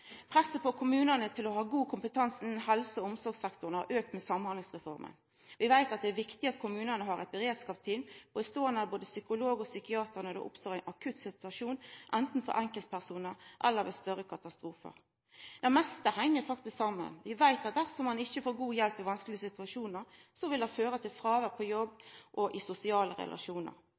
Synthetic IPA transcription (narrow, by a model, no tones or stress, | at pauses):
pʰɾɛsːəpɔkʰʊmʉːnənət̪ʰɪlɔhɑːɡuːkʰʊmpət̪ʰɑnsn̩nhɛlsəɔʊmsɔɾɡsɛkt̪ʊɾnəhɑ̰ɾʔøːk̚t̪mɛsɑmːnhɑnŋsʁɛfɔɾmʔə̰n | ʋɪʋæɪt̪ɑt̪̚d̪ɛæːɾʋɪkt̪ɪɑt̪kʰʊmʉːnənəɦɑɾɛ̰t̪̚bɛɾeːd̪skɑːpt̪ʰiːlbɔd̪ɛst̪oːɛnəboːd̪əsʏkʊloːɡɔsʏkɪɑːt̪əʁnəd̪ɛ̰ʔʊ̰pst̪oːʁæɪnʔɑkʰʉt̪sɪt̪ʉɑʂuːnʔɛnt̪n̩fɔ̰ɾʔɛŋkəlt̪̚pʰæʁsuːnəɾʔɛ̰lːəɾʋɛst̪œɾəkʰɑt̪ɑst̪ɾuːfə̰ɾ | d̪̥ɛmɛst̪əhæŋːəɾfɑkt̪ɪsksɑmːə̰nʋɪʋæɪt̪ɑt̪̚d̪æʁfɔmɑnɪçːəfoːɾɡuːjɛlpɪʋɑnsklɪəsɪt̪ʉɑʂuːnəɾsɔʋɪld̪ɑnføːɾət̪ʰɪlfɾɑːʋəɾpʰɔjɔbːʔɔʔɪsʊsɪɑːləɾɛ̰lʔɑ̰ʂuːnə̰ɾ